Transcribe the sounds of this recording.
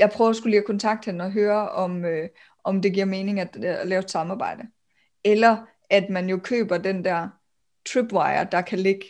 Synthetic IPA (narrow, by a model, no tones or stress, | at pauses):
jɑ̈ɪpʰʁœʊɒsɡ̥ulikʰɒ̽nt͡sʰɑ̈ɡ̥̚d̥henɒ̽ɦøːɐɒ̽mø | ɒ̽md̥e̝ɡiɐ̰me̝ːne̝ŋæd̥lɛːʊed̥sɑ̈mɑ̈ːb̥ɑ̈ɪ̰d̥ə | elɐ | æd̥mænjo̝kʰø̰ːb̥ɐd̥end̥æɐ̰ | t͡sʰʁib̥ʋɑ̈ɪɐd̥ɑ̈kʰæle̝ɡ̥ə